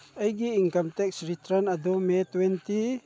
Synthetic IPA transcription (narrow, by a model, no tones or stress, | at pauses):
əjɡiiŋkamt̪ɛksɾit̪ɾanɐd̪umet̪wɛnt̪i